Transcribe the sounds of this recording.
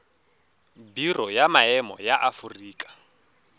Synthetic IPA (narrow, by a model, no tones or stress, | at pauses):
birɔjamaɛmɔ̰jaʔafuriːkʼḁ